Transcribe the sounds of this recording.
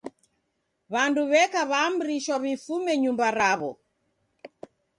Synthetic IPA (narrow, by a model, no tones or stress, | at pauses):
βanduβɛkaβaːmɾiʃwaβifumɛɲumbaɾaβɔ